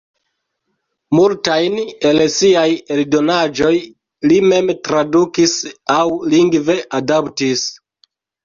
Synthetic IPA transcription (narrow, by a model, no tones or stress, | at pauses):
multajne̞lsiajeldo̞nad͡ʒo̞j | lime̞mtɾadukisawliŋɡve̞ʔadaptis